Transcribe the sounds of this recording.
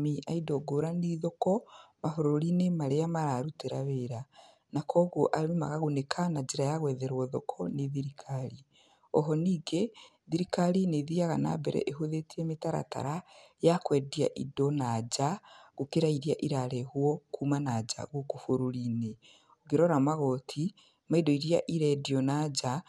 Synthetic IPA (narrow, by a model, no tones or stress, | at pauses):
miʔaidɔɡoɾaniðɔkɔmafoɾoɾinemaɾeamaɾaɾuteɾa̰βeɾa | nakʰɔːɣoʔaɾeima̰ɣaɣonekʰanad͡ʒeɾajaɣwɛðɛɾwɔðɔkʰɔneðiɾikʰaɾi | ɔɦɔniːɡe | ðiɾikalineðiaɣana̰bɛɾɛ̰ʔeɦoðetiemitaɾa̰ta̰ɾajakwɛːdia̰ʔidɔnad͡ʒaɣukeɾaiɾiaʔiɾaɾɛhwɔkʰuːmanad͡ʒa̰ɣukofoɾoɾine | oɣeɾɔɾamaɣɔtʰi | maidɔiɾia̰ʔiɾɛdiɔnad͡ʒa